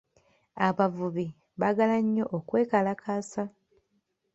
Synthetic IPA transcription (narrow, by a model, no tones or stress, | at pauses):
aβavuβi | βaɡalaɲːo̞ʔokwe̞ːkalakʰaːsa